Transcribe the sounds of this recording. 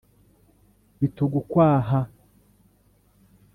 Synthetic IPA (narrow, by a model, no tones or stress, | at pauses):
βituɡukwaːɦa